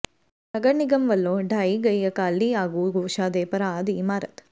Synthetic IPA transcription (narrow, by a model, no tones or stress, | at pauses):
nɐɡɐɳiɡɐmʋɐlːoːɖʱaːiɡɐjːɐkaːlːiaːɡuɡoːʃaːd̪eːpɐɾad̪imaːɾɐt̪